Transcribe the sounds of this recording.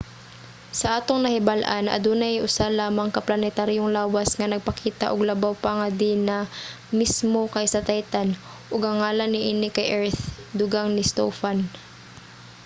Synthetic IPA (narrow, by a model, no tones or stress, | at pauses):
sɐʔaːt̪oŋnɐhɪbalʔanʔɐ̰d̪uːnɐjʔʊsalaːmɐŋkɐplɐnɛt̪aɾjoŋlaːwɐsŋɐnɐɡ̚pɐkiːt̪a̰ʔoɡlɐbawpɐŋɐd̪inɐ | mismo̞kɐjsɐt̪ajt̪an | ʔoɡhɐŋaːlɐnːɪʔiːnɪkɐjʔɛɹt̪d̪ʊɡaŋnɪst̪o̰fan